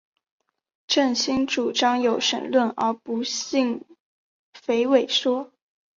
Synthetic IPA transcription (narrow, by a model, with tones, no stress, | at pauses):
ʈ͡ʂə˥˩nɕi˥ŋʈ͡ʂu˨˩ʈ͡ʂɑ˥ŋjo˨˥ʊʂə̰˨˩nlwə˥˩nə̰˞˧˥pu˧˥ɕi˥˩ŋ | fe˧˥ɪwe˨˩ɪʂwɔ˥